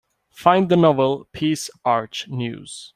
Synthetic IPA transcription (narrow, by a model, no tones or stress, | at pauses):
fãɪ̃ndðənɔvəlˠpʰisaɹt͡ʃnjṵːz̥